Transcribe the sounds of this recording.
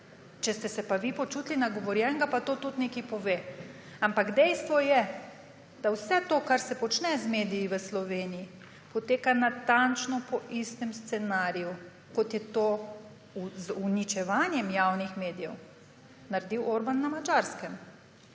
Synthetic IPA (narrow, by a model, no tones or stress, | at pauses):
t͡ʃɛst̪ɛsɛpaʋipɔt͡ʃut̪linaɡɔʋɔɾjɛŋɡapat̪ot̪ut̪nekipɔʋe | ampaɡd̪ɛjst̪ʋɔjɛ | d̪̥awsɛt̪oːkaɾsɛpɔt͡ʃnɛzmeːd̪ijiʋəslɔʋeːniji | pɔt̪eːkanat̪ant͡ʃnɔpɔʔist̪ɛmst̪sɛnaɾiju | kɔt̪jɛt̪oː | uzunit͡ʃɛʋanjɛmjawnixmeːd̪ijɛw | naɾd̪iwoːɾbanːamad͡ʒaɾskɛm